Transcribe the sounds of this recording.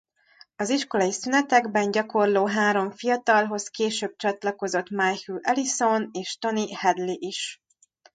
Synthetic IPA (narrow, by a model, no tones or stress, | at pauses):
ɒziʃko̞lɒjisynɛt̪ɛɡbɛɲɟɒko̞rloːɦaːɾoɱfijɒt̪ɒlɦo̞skeːʃøːb̚t͡ʃɒt̪lɒko̞zo̞t̪majhyʔɛliso̞neːʃt̪o̞nihɛd̪liʔiʃ